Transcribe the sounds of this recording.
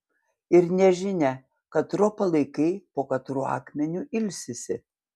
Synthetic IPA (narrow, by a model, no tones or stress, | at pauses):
ɪɾnʲɛʒʲɪnʲɛ | kɐt̪ɾɔpɐlˠɐɪkɐɪpoːkɐt̪ɾuːɑ̰ːkmʲɛnʲuːʔɪlʲsʲɪsʲɪ